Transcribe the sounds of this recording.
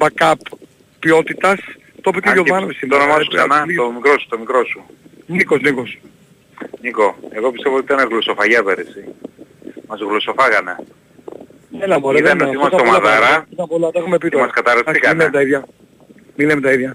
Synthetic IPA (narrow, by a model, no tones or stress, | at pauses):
bɐkɐpː | io̞t̪it̪ɐs | t̪opiceʝoðɐnovisionomɐoksɐnɐomikɾo̞su̥t̪omikɾo̞sunikozniko̞s | ɲiko̞eɣo̞pist̪evot̪it̪ɐneɣloso̞fɐʝɐpeɾisi | mɐzɣlosofɐɣɐne | enɐoiɐneoimɐsomɐðɐɾɐsɐpolɐt̪ɐexumep̬it̪mɐskɐt̪ɐɾɐsikɐnemt̪ɐiðjɐ | milemet̪ɐiðʝɐ